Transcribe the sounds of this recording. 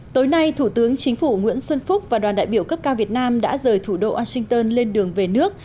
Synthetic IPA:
t̪o˨˦jna˧jt̪ʰu˧˩t̪ɨ˨˦əŋt͡ɕï˨˦ŋ̟fu˧˩ŋwḭ˧˥ənswə˧nfʊ˦˥k͡p̚vaː˨˩ɗwaː˨˩nɗa̰ː˧˨jɓi˧˩əwkə˦˥p̚kaː˧wvi˨˩ət̚naː˧mɗa̰ː˧˥zəː˨˩jt̪ʰu˧˩ɗo˧ʔwaː˧sï˧ŋ̟t̪əː˧nle˧nɗɨ˨˩əŋve˨˩nɨ˦˥ək̚

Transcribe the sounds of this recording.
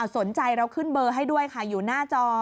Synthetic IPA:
a˧˩wso˩˦nt͡ɕa˧jɾa˧wkʰɯ˥˩nbɤː˧ɦa˥˩jdu˥˩əjkʰa˥˩juː˨˩naː˥˩t͡ɕɔː˧

